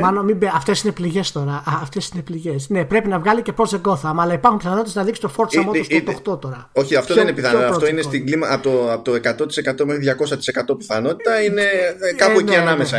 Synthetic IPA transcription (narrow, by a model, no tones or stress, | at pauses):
mɐnomibeɐft̪e̞sinepliʝe̞st̪o̞ɾɐɐːft̪esine̞pliʝe̞sne̞pɾe̞pinɐvɣɐlice̞pɾo̞zðeɡo̞θɐɐmɐːlɐipɐɾxumpiθɐnot̪t̪eznɐðiksi̥t̪ofo̞ɾt̪sɐmot̪ust̪ot̪oxt̪o̞t̪o̞ɾɐo̞çiɐft̪oðeninepiθɐnoɐft̪oinest̪iɡlimɐʔɐpot̪oɐpot̪oe̞kɐt̪o̞t̪i̥sekɐt̪omexɾiðʝɐko̞sɐt̪i̥sekɐt̪opi̥θɐno̞t̪i̥t̪ɐine̞kɐponʲiɐnɐmesɐ